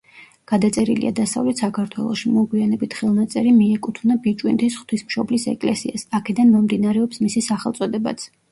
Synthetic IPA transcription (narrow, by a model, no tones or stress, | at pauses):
ɡ̥ad̪at̪sʼɛɾilḭʔa̰d̪asa̰vlɛt̪ʰsakʰaɾt̪ʰwɛ̰lˠɔʃimɔɡwianɛbit̪ʰχɛlˠnat̪sʼɛɾimiɛkʼut̪ʰvnabit͡ʃʼwint̪ʰisχt̪ʰwismʃɔblisɛ̰kʼlɛ̰siasakʰɛd̪anmɔmd̪inaɾɛɔpsmisisaχɛlˠt̪sʼɔd̪ɛba̰t̪sʰ